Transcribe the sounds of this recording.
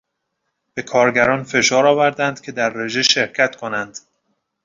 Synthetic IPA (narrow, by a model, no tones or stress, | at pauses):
b̥e̞kʰɒːɾɟæɾɒːnfe̞ʃɒːɾɒːvæɾd̪ænd̪̥cʰe̞d̪æɾːe̞ʒe̞ʃe̞ɾcʰæt̪kʰo̞nænd̪̥